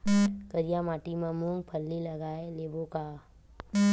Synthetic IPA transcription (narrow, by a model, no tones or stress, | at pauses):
kəɾijamaːʈimamuŋɡpʰəlːilɐɡaːeleːboka